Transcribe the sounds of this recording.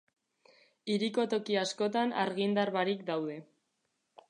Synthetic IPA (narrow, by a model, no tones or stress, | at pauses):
iɾiko̞t̪o̞kiasko̞t̪ana̰ɾɣind̪aɾβaɾikd̪awðe̞